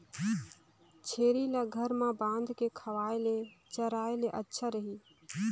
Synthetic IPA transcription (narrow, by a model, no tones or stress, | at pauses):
t͡ʃʰeːɾilaːɡʱəɾmãbãːnd̪ʱkekʰəʋaːelet͡ʃəɾaːeleʔətːʃʰaɾəɦiː